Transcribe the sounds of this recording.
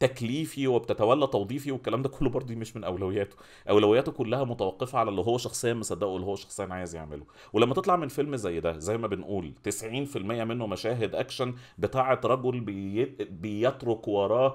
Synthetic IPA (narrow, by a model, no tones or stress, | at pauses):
t̪ækliːfiwebt̪æt̪æwælːæt̪ˤɑwd̪ˤiːfiwekːælæːmd̪ækolːobɑɾˤd̪ˤumeʃmenʔæwlæwejːæːt̪o̥ | ʔæwlæwejːæːt̪okolːæhæmot̪æwɑqːefæʕalælːiɦowːæʃɑxsˤejːænmesˤɑd̪ːæːʔoʔelːihowːæʃɑ̥xsˤejːænʕaːjezjḛʕmelo | welæmːæt̪et̪ˤlɑʕmenfelmzæjːd̪æzæjːmæbenʔuːlt̪esʕiːnfilmejːæmenːomæʃæːɦed̪ʔækʃænbet̪aːʕet̪ːɾˤɑɡolbbejet̪ɾokwɑɾˤɑː